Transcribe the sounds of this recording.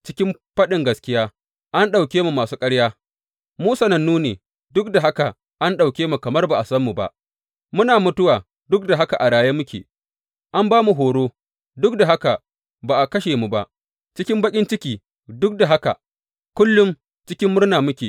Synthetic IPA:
t͡ʃɪ̥˦kʲɪ˦mɸɐ˦ɗɪ˨ŋɡɐ˨skʲɪ˦jaː˦ | ʔa˦nɗa˨wkʲeː˦mu˨maː˨suː˦kʼɐ˦ɽjaː˦ | muː˦sɐ˨nɐ˨nːuː˦neː˨ | dʊ˦k̚da˨ɦa˦ka˨ | ʔa˦nɗa˨wkʲeː˦mu˨kɐ˨mɐ˦rba˨ʔa˨sɐ˦mːu˨ba̰˦ʔ | mʊ˦naː˨mʊ˦tʊ˦waː˨ | dʊ˦k̚da˨ɦa˦ka˨ʔa˨ɽaː˨jeː˦mʊ˦kʲḛː˨ | ʔa˦mbaː˦mu˨ɦoː˨ɽoː˦ | dʊ˦k̚da˨ɦa˦ka˨ | baː˨ʔa˨kɐ˦ʃeː˨mu˨ba˦ʔ | t͡ʃɪ˦kʲɪ˦mbɐ˦kʲʼɪ˦nt͡ʃɪ˦kʲiː˨ | dʊ˦k̚da˨ɦa˦ka˨ | kʷʊ˦lːʊ˦m | t͡ʃɪ˦kʲɪ˦mːʊ˦rnaː˨mʊ˦kʲeː˨

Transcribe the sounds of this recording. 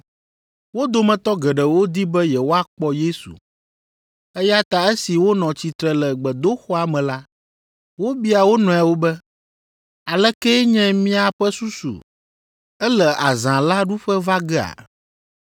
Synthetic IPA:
wo˦d̪o˦mɛ̃˨t̪ɔ˦ɡɛ˨ɖɛ˨wo˦d̪i˦bɛ˦jɛ˨wo˦a˦k͡pɔ˦je˦sṵ˨ | ɛ˦ja˦t̪a˨ɛ˦si˨wo˦nɔ̃˨t͡ɕi˨t̪ɾɛ˨lɛ˨ɡ͡bɛ˨d̪o˦xɔ˦a˨mɛ̃˨la˦ | wo˦bi˦a˨wo˦nɔ̃˨a˨wo˦bɛ˦ | a˨lɛ˦kɛ˦ɲɛ̃˦mĩ˦a˨ɸɛ˦su˦sṵ˨ | ɛ˦lɛ˨ʔa˨zã˨la˦ɖu˦ɸɛ˦va˦ɡɛ˦a̰˨

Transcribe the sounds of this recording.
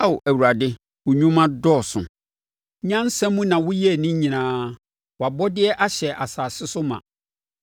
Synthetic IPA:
a˦wʊ˨ʔæ˨wu˨ɾa˨dɪ˦ | wʊ˨ɲᶣũ˦mã˦dɔ˦˨sʊ̰̃˨ | ɲã˦n˦sɛ̃˦mũ˦nã˨wʊ˦jɛ˦˨nĩ˦ɲĩ˨nãː˦ | wa˨bɔ˦dɪ˦ɛ˦ʔa˦ɕɛ˨ʔa˨saː˨sɪ˦sʊ˦mã̰˨

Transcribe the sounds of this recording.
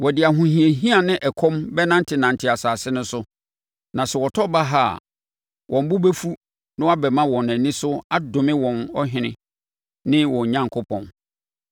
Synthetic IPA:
wɔ˨dɪ˨a˨ɦʊ̃˨ɦĩ˨e˨ɦĩ˦a˨nɪ̃˦ʔɛ˨kʰɔ̃˦mbɛ˦nã˦n˦tʰɪ˦nã˨n˨tʰɪ˨a˨saː˨sɪ˦nʊ̃˦sʊ˦ | nã˨sɛ˨wɔ˨tʰɔ˦ba˦ɦa̰˦˨ | wʔɔ̃˨m˦bʊ˦bɛ˦fu˦ | nɪ̃˦a˦bɛ˨mã˦wɔ̃˨næ̃˨nĩ˦sʊ˦a˦dʊ̃˨mɪ̃˦wɔ̃˨nɔ˦ɦɪ̃˨nɪ̃˦ | nɪ̃˦wɔ̃˨ɲã˦ŋkʰo˦pʰɔ̃˨n

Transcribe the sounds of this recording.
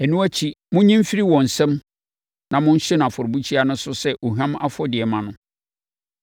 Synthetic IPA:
æ˨nũ˦æ˦t͡ɕʰi˦mʊ̃˦ɲĩ˦m̩˦fi˦ɾi˦wɔ̃˨n̩˨sɛ̃˦m | nã˨mʊ̃˦n̩˦ɕɛ˦ñ˨a˨fɔ˨ɾbu˦t͡ɕʰi˦a˨nʊ̃˦sʊ˦sɛ˦ʔo˨ɦã˦m˦a˦fɔ˦dɪ˨ɛ˨mã˨nʊ̃˨˦

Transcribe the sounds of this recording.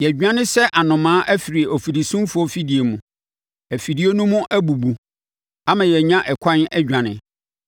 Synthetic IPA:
jɛ˨d͡ʑᶣã˦nɪ̃˦sɛ˦ʔa˨nʊ̃˨mãː˦ʔæ˦fi˨ɾi˨o˨fi˨di˨sũ˦mfʊ˨˦ɔ˦fi˦di˨e˨mũ˨ | æ˨fi˨di˨˦e˦nũ˦mʊ̃˦ʔæ˦bu˨bu˨ | a˦mã˨jɛ˨ɲã˦ʔɛ˨kʰã˦nɛ˦d͡ʑᶣã˨nɪ̰̃˨

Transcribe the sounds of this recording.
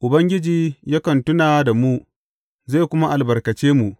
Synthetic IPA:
ʔʊ˨bɐ˦ŋɡʲɪ˦d͡ʒiː˨ja˦kɐ˨ntʊ˦naː˨da˨mu˦ | za˦˨kʷʊ˦ma˦ʔa˨lbɐ˨rkɐ˨t͡ʃeː˦mu˨ʔ

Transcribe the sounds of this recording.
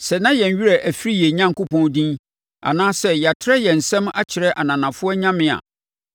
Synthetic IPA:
sɛ˨nã˦jɛ̃˨ɲ˨ɥi˦ɾɛ˨ʔæ˨fi˦ɾi˦jɛ˨ɲã˦ŋ̩˨kʊ˦pʰɔ̃˦n˦dĩ˦n | a̰˨nãː˦sɛ˦ja˨tʰɪ˦ɾɛ˦jɛ˨n̩˨sɛ̃˦ma˦t͡ɕʰɪ˨ɾɛ˦ʔa˨nã˨nã˨fʊ˦ɔ˦ɲã˦mɪ̃˦˨a̰˨

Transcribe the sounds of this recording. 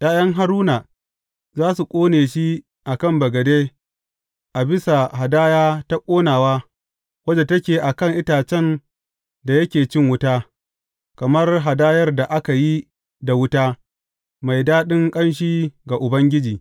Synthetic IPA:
jaː˦jɐ˦ŋɦa˦ɾuː˦naː˨ | zaː˦su˨kʷʼoː˦neː˨ʃi˦ | ʔa˨kɐ˦˨mbɐ˨ɡɐ˨deː˦ | ʔa˨bɪ˦sa˨ɦa˨daː˦jaː˦ta˦kʷʼoː˦naː˨waː˦ | wɐ˦d͡ʒe˨tɐ˦kʲeː˨ʔa˨kɐ˦˨ŋʔɪ˦taː˨t͡ʃɛ˦n | da˨jɐ˦kʲeː˨t͡ʃɪ˦ŋwʊ˦taː˦ | kɐ˨mɐ˦rɦa˨daː˦jɐ˦rda˨ʔa˦ka˨ji˦ | da˨wʊ˦taː˦ | ma˨jdaː˦ɗɪ˦ŋkʼɐ˦nʃ̬iː˦ɡa˨ʔʊ˨bɐ˦ŋɡʲɪ˦d͡ʒiː˨

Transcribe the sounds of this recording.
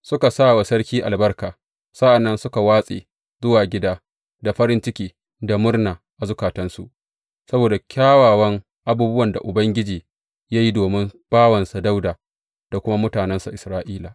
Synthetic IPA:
sʊ˦ka˨saː˦˨wa˨sɐ˦ɽkʲiː˦ʔa̰˨lbɐ˦rkaː˨ | sa˦ʔa˨nːɐ˦nsʊ˦ka˨waː˦sʼḛː˨ | zʊ˦waː˨ɡʲɪ˦daː˦ | da˨ɸɐ˦ɾɪ˦nt͡ʃɪ˦kʲiː˨ | da˨mʊ˦rna˨ | ʔa˨zʊ˦kaː˨tɐ˦nsu˨ʔ | sɐ˦boː˨da˨kʲʰaː˦waː˨wɐ˦ŋ | ʔa˦buː˦bʊ˦wɐ˨nda̰˨ʔʊ˨bɐ˦ŋɡʲɪ˦d͡ʒiː˨ | ja˦ji˦doː˨mɪ˦mb̥aː˦wɐ˨nsa˨da˦wdaː˨ | d̥a˨kʷʊ˦ma˦mʊ˦taː˨nɛ˦nsa˨ʔɪ˨sɾaː˦ʔiː˦laː˨

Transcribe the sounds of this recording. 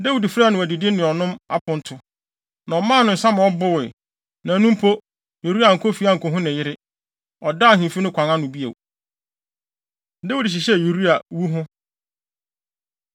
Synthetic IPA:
de˦wi˨di˨fɾa˦˨nʊ̃˨æ˨di˨dɪ˦nɪ̃˨ɔ˨nʊ̃˦ma̰˦pʰʊ̃˦n̩˦tʰʊ˨ | nã˨ɔ˨mãː˦˨nʊ̃˨n̩˨sã˦mã˨ɔ˦bʊ˦wɪ˨ | nã˨nũ˦m˦pʰo˦ | ju˨ɾi˦a˨ŋ̩˨kʰo˦fi˦a˦˨ŋ̩˨kʰɔ˨ɦʊ̃˦nɪ̃˨jɪ˦ɾɪ˦ | ɔ˨da˦˨hĩ˨fi˦nʊ̃˦kʷʰã˨ŋa˦nʊ̃˨bi˦ḛ˨w | dɛ˦wu˦di˨ɕ̬i˨ɕɛ˦˨ju˨ɾi˦a˨wu˦ɦʊ̃˦

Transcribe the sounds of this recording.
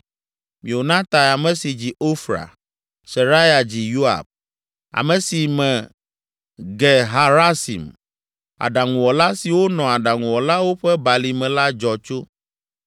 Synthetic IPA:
mĩ˨o˨nã˦t̪a˨ja˨mɛ̃˨si˨d͡ʑi˨o˦fɾa̰˨ | se˨ɾa˦ja˨d͡ʑi˨ju˦a̰˨b̚ | a̰˨mɛ̃˨si˨mɛ̃˨ | ɡɛ˨ɦa˨ɾa˦sḭ˨m | a̰˨ɖa˨ŋũ˨wɔ˨la˦si˨wo˦nɔ̃˨a˨ɖa˨ŋũ˨wɔ˨la˦wo˦ɸɛ˦ba˨li˨mɛ̃˨la˦d͡ʒɔ˨t͡ʃo˦

